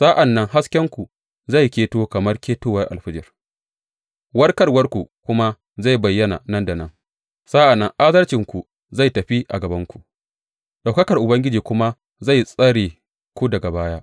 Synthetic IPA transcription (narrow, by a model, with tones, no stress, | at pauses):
sa˦ʔa˨nːɐ˦ŋha˦skʲɛ˦ŋkʷu˨ | za˦˨jkʲeː˦toː˦kɐ˨mɐ˦rkʲeː˦toː˦wɐ˦rʔa̰˨lɸɪ˦d͡ʒɐ˨r | wɐ˦rkɐ˦rwɐ˦rkʷu˨kʷʊ˦ma˦ | za˦˨jbɐ˨jːɐ˦na̰˨nɐ˦ndɐ˨nɐ˦ŋ | sa˦ʔa˨nːɐ˦ŋʔa˦dɐ˦rt͡ʃɪ˨ŋkʷu˨ | za˦˨jtɐ˨ɸi˦ʔa̰˨ɡɐ˨bɐ˦ŋkʷu˨ʔ | ɗa˨wkɐ˦kɐ˨rʔʊ˨bɐ˦ŋɡʲɪ˦d͡ʒiː˨kʷʊ˦ma˦ | za˦˨jsʼɐ˦ɽeː˨ | kʷu˦dɐ˨ɡa˨baː˦jaː˦